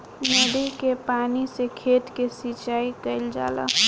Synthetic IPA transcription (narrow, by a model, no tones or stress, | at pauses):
mɛɽikepaːnisekʰeːt̪kesit͡ʃaːikəɪld͡ʒa̰ːlə̰